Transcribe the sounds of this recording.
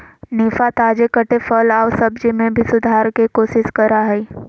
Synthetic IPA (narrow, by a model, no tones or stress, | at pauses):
niːfat̪aːd͡ʒekəʈefəlaːʋsɐbd͡ʒimẽbʱisʊd̪ʱaːɾkekoːʃɪskɐɾaɦɛ